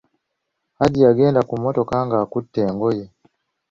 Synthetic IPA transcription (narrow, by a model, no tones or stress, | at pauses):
haɟiaɡɛndakumɔtɔkaŋɡakutːɛːŋɡɔjɛ